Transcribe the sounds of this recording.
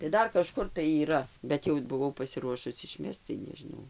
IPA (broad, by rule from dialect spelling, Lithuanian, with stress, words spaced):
tɐɪ ˈdɐr kɐˈʃkʊr tɐɪ iːˈrɐ bʲɛt ˈjɛʊ bʊˈʋɐʊ pɐsʲɪˈruɔʃʊs ɪˈʃʲmʲɛst͡s tɐɪ nʲɛʒʲɪˈnɐʊ